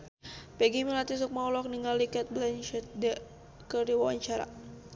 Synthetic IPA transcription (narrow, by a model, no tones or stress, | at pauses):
pɛɡimilat̪is̬uk̚maulɔk̚niŋalikɛt̪̚blɛnt͡ʃɛt̪̚dɛ | kəɾiwawaɲt͡ʃaɾa̰